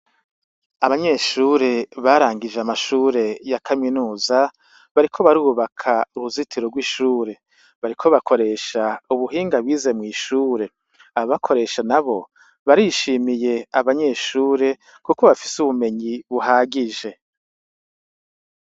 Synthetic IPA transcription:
aβaɲe̞ʃuːɾe̞βaɾaːŋɡid͡ʒeamaʃuːɾe̞jakʰaminuːza | βaɾikʰo̞βaɾuːβakʰauɾuzitʰiɾoɡwiʃuːɾe̞ | βaɾikʰo̞βakʰo̞ɾe̞ːʃauβuɦiːŋɡaβwiːze̞mŋiːʃuːɾe̞ | aoβakʰo̞ɾe̞ːʃanaβo̞ | βaɾiʃiːmije̞aβaɲe̞ʃuːɾe̞ | kuko̞βafi̥suβume̞ɲiβuɦaːɡiʒe̞

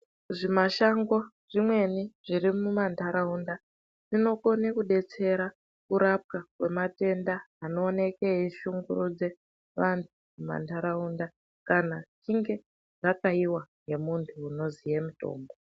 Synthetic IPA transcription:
ʐimaʃaŋɡo | ʐ̥imwe̞niʐ̥irimumantʰaɾaunda | ʐ̥ino̞ko̞nekuɗe̞t͡se̞ɾa | kuɾap̚kakwe̞mate̞ndaːno̞ːne̞keiʃuŋɡurud͡ze | ʋantʰumuma̰ntʰaɾaunda | kanat͡ʃiŋɡe̞ | ʐakaiwaŋɡe̞muntʰuːno̞zijemuto̞̰ːmbo

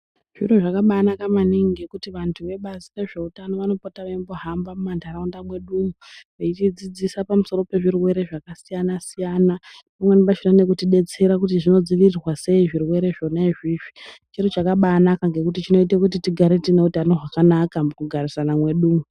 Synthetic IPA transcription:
ʐ̥iroʐakaɓanakamaniŋiɡe̞kutiʋantʰuʋe̞ɓazire̞ʐe̞utano̞ʋano̞potaʋaimboɦambamumandaɾaundamwe̞ɗumuʋeit͡ʃid͡zid͡zisapamuso̞ɾo̞pe̞ʐirwe̞ɾe̞ʐakasijanasijaːnapamwenipaʃonane̞k̬utiɗe̞t͡se̞ɾakutiʐino̞d͡ziʋirirwase̞iʐirwe̞ɾe̞ʐo̞naiʐiːʐit͡ʃiɾot͡ʃakaɓaːnakaŋɡe̞kutit͡ʃino̞it̬ekut̬itiɡʱaɾetine̞utano̞ʐakanakamukuɡʱarisanamwe̞ɗuːmu

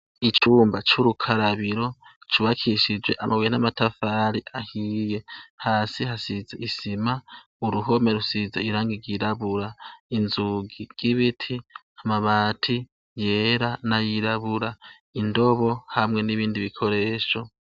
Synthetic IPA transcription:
it͡ʃuːmbat͡ʃuɾukʰaɾaβiɾo̞t͡ʃuβakʰiʃid͡ʒwe̞̰ʔamʔaβweenamatafaɾiʔahije̞haːsiɦasizaʔisima | uɾuɦo̞me̞ɾusizaiɾaːŋɡiɡiɾaβuɾainzuɡiɡ̥iβitʰi | amaβaːtʰi | jeːɾanajiɾaβuɾa | indo̞βo̞hamŋe̞niβiːndiβikʰo̞ɾe̞ːʃo̞

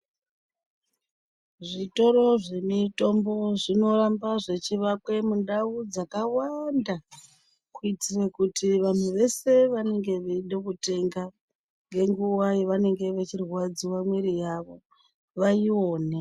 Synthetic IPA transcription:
ʐito̞ɾo̞ʐemito̞mbo̞ʐino̞ɾambaʐe̞t͡ʃiʋakwe̞mundaud͡zakawanda | kuitirekutiʋan̤uʋe̞se̞ʋane̞ŋɡe̞ʋeiɗokute̞ŋɡa | ŋɡe̞ŋɡuwaiʋane̞ŋɡe̞ʋet͡ʃirwad͡ziwamwiɾijaʋo̞ | ʋaio̞ːne

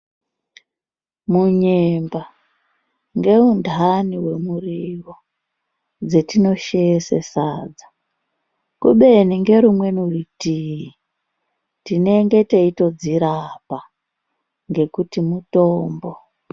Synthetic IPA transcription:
muɲemba | ŋɡe̞undʱaniwe̞muriwo | d͡zetino̞ʃejesḛsaːd͡zḁ | kuɓe̞niŋɡe̞ɾumwe̞nuritiji | tine̞ŋɡe̞teito̞d͡ziɾapa | ŋɡe̞kutimutoːmbo

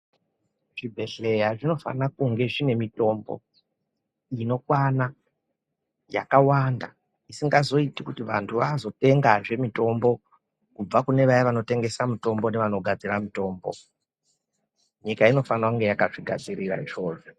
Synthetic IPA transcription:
ʐibʱe̞ɬe̞jaʐino̞fa̰nakuŋɡe̞ʐine̞mito̞mbo̰ | ino̞kwana | ja̰kawanda̰ | isiŋɡazo̞itikutiʋantʰuʋaːzo̞te̞ŋɡaʐe̞mito̞mbo̞ | kub͡vakune̞ʋajaʋano̞te̞ŋɡe̞samuto̞mbo̞ne̞ʋano̞ɡʱad͡ziramito̞ːmbo̞̰ | ɲikaino̞fanakuŋɡe̞jakaʐiɡʱa̰d͡zirira̰ʐo̞ːʐo

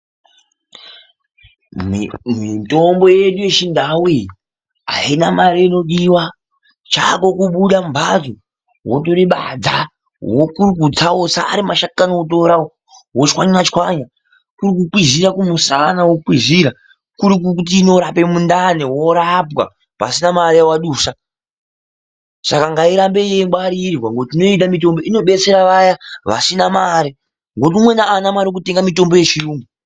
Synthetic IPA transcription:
mito̞mbo̞je̞ɗuje̞t͡ʃindawi | ɦa̰inamaɾiino̞ɗiwa | t͡ʃako̞kuɓuɗambʱad͡zo | wotoɾiɓad͡za | wokuruk̬ud͡zawosa̰ːɾimaʃakanoot̬o̞ɾawo | ɦwot͡ʃkwaɲinat͡ʃkwaɲa | kuɾikukwiziɾakumusanawokiziɾa | kuɾik̬ukut̬iːno̞ɾape̞mundanewoɾapwa̰ | pa̰sinamaɾijawaɗuːʃa | sakaŋɡaiɾambe̞jeŋbaɾirwaŋɡo̞tino̞it̬amito̞mbo̞ino̞ɓe̞t͡se̞ɾaʋajaʋa̰sinamaːɾi | ŋɡo̞t̬iumwe̞naːnamaɾokute̞ŋɡamito̞mbo̞je̞t͡ʃiuːmu

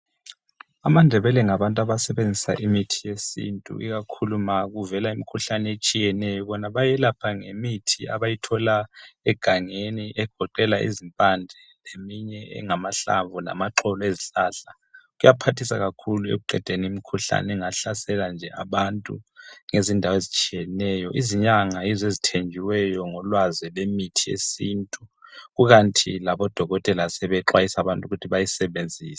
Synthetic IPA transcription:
amandʱɛβɛlɛŋaβantʼaβasɛβend͡zʱisa̰ʔimitʰijesḭntʼṵʔḭɣakʰulumaɣuvɛlaimikʰuɬanɛet͡ʃʼijɛnɛjɔβɔnaβajɛlapʰaŋemitʰia̰βajitʰɔlaɛɡ̥ʱaŋeniʔɛɡ̥ʱɔǃɛlaʔḭzimpʼand͡ɮʱɛ | lemiɲɛɛ̰ŋamaɬa̰ɱvʱɔna̰maǃɔlɔeziɬaːɬa | ɣujapʰatʰisaɣakʰuluḛɣuǃʱɛd̥ʱenimikʰuɬa̰nɛŋaɬasɛland͡ʒʱɛaβantʼṵŋezindʱawezit͡ʃʼijɛnɛːjɔʔiziɲaŋaizezitʰend͡ʒʱiwɛjɔŋɔlwazɛlemitʰijḛsintʼuɣuɣantʰilaβɔd̥ʱɔɣɔtʼɛlasɛβɛǁwajisaβantʼuɣutʰiβajisɛβend͡zʱiːsḁ

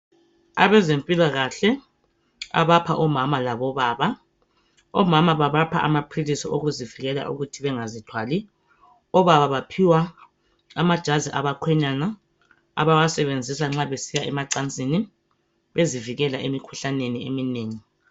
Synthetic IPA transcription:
a̰βɛzempʼilaɣaɬɛ | a̰βapʰaʔɔmamalaβɔβaːβa | ɔmamaβaβapʰa̰ʔa̰mapʰrilisiʔoɣuziviɣɛla̰ʔṵɣutʰiβɛŋazitʰwali | ɔβaβaβapʰiwa | amad̥ʒ̥ʱaziʔaβakʰwɛɲana | a̰βawasɛβend͡zʱisaŋ͡ǁaβesijaʔɛmaǀant͡sʼini | βeziviɣɛlaʔemikʰuɬaneniemineːŋi

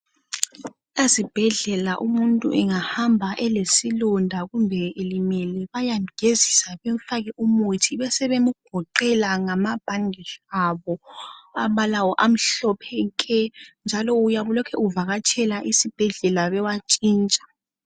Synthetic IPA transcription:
lasib̥ʱɛɮɛlaʔumuntʼuʔɛŋahambʱaʔɛlesilundʱaɣumbʱɛelimɛlɛβajamɡʱezisaβem̩faɣɛʔumutʰiβɛsɛβemuɡ̥ʱɔǃɛlaŋamab̥ʱaŋɛɬaβɔaβalawɔʔam̩ɬɔpʰɛkʼɛnd͡ʒʱalɔujaβulɔkʰɛʔuvaɣat͡ʃʰɛlaʔisib̥ʱɛɮɛlaβɛwat͡ʃʼiːnt͡ʃʼḁ

